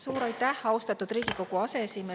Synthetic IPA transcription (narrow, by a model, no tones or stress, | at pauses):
suːɾɑjt̪ːˑæhɑwst̪ɑt̪ːud̪̥riːɡ̥iko̞ɡuɑse̞esime